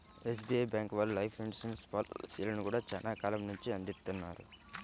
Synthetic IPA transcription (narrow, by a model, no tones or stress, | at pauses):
es̬biːejbjaːŋkʋɐlulɐjpʰiɳɖisɐnspaːlsiːlɐnukuːɽaːt͡ʃɐnaːkaːlɐmnuɲt͡ʃiɐnd̪it̪ːunːa̰ːɾṵ